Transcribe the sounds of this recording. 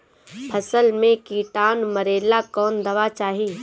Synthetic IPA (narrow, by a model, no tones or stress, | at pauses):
pʰɐsəlmẽkiːʈaːnmɐɾeːlakɔːnd̪ɐʋat͡ʃaːɦi